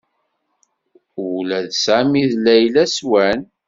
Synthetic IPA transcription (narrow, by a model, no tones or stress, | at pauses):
ʊlæðsæmiðlæjlæswæn